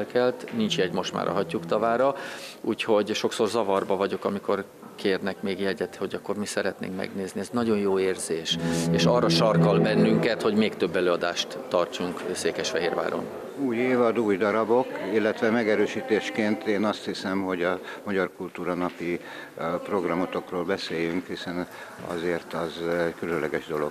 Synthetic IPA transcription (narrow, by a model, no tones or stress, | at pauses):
lkɛlt̪nint͡ʃjɛɟmo̞ʃt̪ma̰ːɾʔɒ̰ɦɒcːukt̪ɒvaːɾɒṵːcho̞ɟʃo̞kso̞rzɒvɒrbɒvɒɟo̞kɒmiko̞r | kʰeːrnɛkmeːɡjɛɟɛt̪ho̞ɟɒkːo̞rmisɛɾɛt̪nḛːŋkmɛ̰ɡneːzniɛznɒɟo̞njoːeːrzeːʃeːʃɒrːɒʃɒrkɒlbɛnːyŋkɛt̪ho̞ɟmeːkt̪ø̞bːɛløːɒd̪aːʃt̪ːɒrt͡ʃuŋkseːkɛʃfɛɦeːrʋa̰ːɾo̰n | uːjeːvɒd̪uːjd̪ɒɾɒbo̞kilːɛt̪ʋɛmɛɡɛɾøːʃiːt̪eːʃkeːnt̪eːnɒst̪hisɛmho̞ɟɒmɒɟɒrkult̪uːɾɒnɒpi | pro̞ɡrɒmo̞t̪o̞kroːlbɛseːjyŋkhisɛn | ɒ̰zeːrt̪ɒzɛɟkylønlɛɡɛʒd̪o̞lo̞̰ɡ